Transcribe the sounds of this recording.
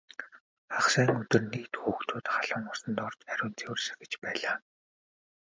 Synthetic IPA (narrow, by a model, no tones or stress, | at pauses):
χaχsæːŋɵt̪ɵ̆rnekt̪xuːxt̪ʰʊːt̪χaɮʊ̆ŋʊrsə̆nt̪ɔrt͡ɕæɾʲʊːnt͡sʰewrsɘ̥̆xĕ̥t͡ɕpæːɮaː